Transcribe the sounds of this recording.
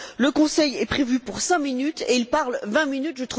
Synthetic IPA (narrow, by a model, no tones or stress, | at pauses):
ləkɔ̃sɛjɛpχevypuʁsɛ̃minyt̪eilpaʁlvɛ̃minyt̪ʒət̪χu